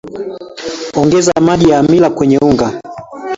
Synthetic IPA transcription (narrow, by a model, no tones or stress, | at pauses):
ɔŋɡɛzamaɗijaːmilakwɛɲɛuŋɡa